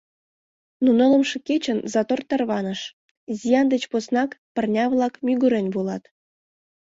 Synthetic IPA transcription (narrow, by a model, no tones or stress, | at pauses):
nunŏlˠə̆mʃɤ̆ket͡ɕənzɑt̪ort̪ːɑrβɑnə̆ʃ | zʲijɑnd̪ə̆t͡ɕposnɑkpə̆rnʲɑβlˠɑkmʲyɡuɾĕnʲβulˠɑt̪